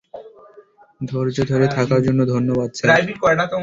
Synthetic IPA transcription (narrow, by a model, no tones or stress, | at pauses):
d̪ʱoɾd͡ʑod̪ʱoɾet̪ʰakaɾd͡ʑonːod̪ʱonːobad̪̚t͡ɕʰeɾajbikɔɾnat̪o